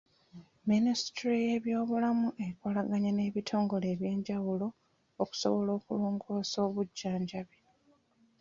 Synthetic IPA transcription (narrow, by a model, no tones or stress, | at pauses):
ministɾije̞βjo̞ːβulamuʔe̞ikolaɡaɲane̞ːβitʰo̞ːŋɡo̞le̞ːβje̞ːɲɟawulo̞ː | ku̥so̰βo̞lo̞ːkuluːŋɡoːso̞ːβuɟːaːɲɟaβi